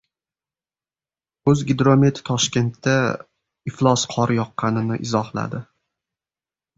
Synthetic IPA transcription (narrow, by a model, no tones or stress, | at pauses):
ɵzɡʲɪd̪ɾo̞met̪ʰt̪ʰɒʃkʲe̞nt̪ʰːa | ɪflˠɒsqʰɒɾjɒqʰːɑnɪnɪʔɪzɒhlˠa̰d̪ɪ